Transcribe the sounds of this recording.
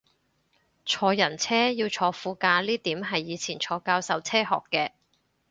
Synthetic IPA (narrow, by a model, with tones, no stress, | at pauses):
t͡sʰɔː˨˧jɐ˨˩nt͡sʰɛː˥jiː˧wt͡sʰɔː˨˧fuː˨˧kaː˧liː˥t̪iː˨˥mɦɐ˨jːiː˨˧t͡sʰiː˨˩nt͡sʰɔː˨˧kaː˧wsɐ˨˧wt͡sʰɛː˥ɦɔ̰ː˨kːɛː˧